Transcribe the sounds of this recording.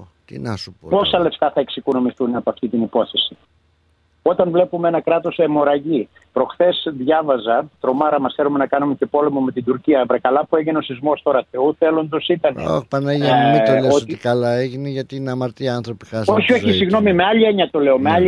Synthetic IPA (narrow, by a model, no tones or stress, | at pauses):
t̪ḭnɐsupopo̞sɐle̞ft̪ɐθɐeksikono̞miθunɐpoɐft̪it̪inipo̞θe̞si | o̞t̪ɐnvle̞pumeenɐkɾɐt̪o̞semo̞ɾɐʝi | pɾo̞xθe̞sðʝɐvɐzɐt̪ɾo̞mɐɾɐmɐsθe̞lume̞nɐkɐnumece̞po̞le̞mo̞me̞t̪ind̪uɾciɐvɾɐkɐlɐpueʝeno̞sizmo̞st̪o̞ɾɐθeuθe̞lo̞nd̪o̞sit̪ɐnḛo̰pɐneʝemit̪oleoot̪ikɐlaeʝineʝɐt̪inɐmɐɾt̪iɐnθɾopixɐso̞çio̞çisiɣno̞mime̞ɐʎieɲɐt̪o̞le̞o̞me̞ɐʎi